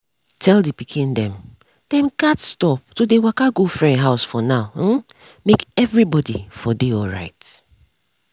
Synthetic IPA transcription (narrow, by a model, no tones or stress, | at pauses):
tʰɛldipikʰĩndɛ̃m | d̥ɛ̃mkatstɔp̚todewakaɡofɹɛ̃ɦaʊsfɔnaʊ | mekɛvɹibɔdḭfɔdeɔlɹa̰ɪt